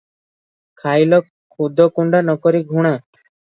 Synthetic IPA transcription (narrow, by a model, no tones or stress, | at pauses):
kʰajlɔ | kʰud̪ʱɔkuɳɖanɔkɔɾiɡʱuɽ̃a